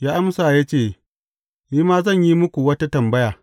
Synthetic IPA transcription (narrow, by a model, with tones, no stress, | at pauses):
jaː˦ʔa˦msaː˨ja˦t͡ʃeː˦˨ | niː˦maː˦zɐ˦˨ɲji˦mʊ˦kʷu˨wɐ˦ta˦tɐ˨mbɐ˦jaː˨